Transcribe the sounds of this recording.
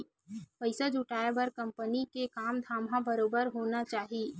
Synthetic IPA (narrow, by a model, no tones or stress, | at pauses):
pɐɪsad͡ʒʱʊʈaːebɐɾkɐ̃mpənikekaːmd̪ʱaːmɦãbɐɾoːbəɾɦoːnat͡ʃaːɦie